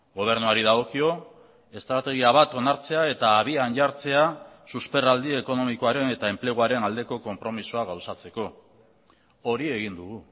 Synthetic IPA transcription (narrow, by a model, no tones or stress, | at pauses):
ɡo̞β̞e̞ɾnuaɾið̞aɣ̞o̞kio̞ | e̞st̪ɾat̪e̞ɣ̞iaβ̞at̪o̞naɾt͡se̞ae̞t̪aːβ̞ianʎaɾt͡se̞asuspe̞rald̪ie̞ko̞no̞miko̞aɾe̞ne̞t̪ae̞mple̞ɣ̞uaɾe̞nald̪e̞ko̞ko̞mpɾo̞misuaɣawsat͡se̞ko̞ | oɾie̞ɣind̪uɣu